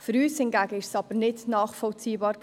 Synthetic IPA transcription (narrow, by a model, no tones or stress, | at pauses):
fʏɾyːshɪnɡæɡ̥əɪʃsɑb̥ənɪdnɑːχfɔlt͡siːbɑːɾ